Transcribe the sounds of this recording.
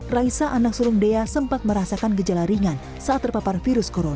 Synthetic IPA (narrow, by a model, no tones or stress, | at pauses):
raisaʔanak̚suɾʊŋdeasəmpat̪̚məɾasakanɡəd͡ʒalaɾiŋan | saat̪ːərpaparfiɾʊskoɾona